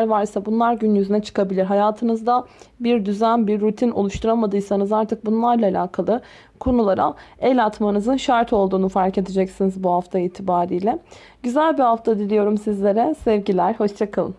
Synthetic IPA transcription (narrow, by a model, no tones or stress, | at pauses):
ɾvaɾsabunlˠaɾɟynjyzynɛt͡ʃʰɯ̥kʰabilʲiɾɦajaːt̪ʰɯnɯzd̪abiɾd̪yzænbiɾːut̪ʰino̞̰lˠuʃt̪ʰuɾamad̪ɯjsanɯzaɾt̪ʰɯk̚bunlˠaɾlˠaːlʲaːkʰalˠɯ | kʰo̞nulˠaɾa̰ejlʲat̪manɯzɯnʃaɾt̪ʰo̞lˠd̪uːnufaɾce̞d̪ed͡ʒɛcsinizbuhaft̪ʰaiːt̪ʰibaːɾijlʲɛ | ɟyzælʲbihaft̪ʰad̪ilʲijo̞ɾumsizlʲe̞ɾɛsɛvɟilʲæɾho̞ʃt͡ʃʰakʰalˠɯ̰n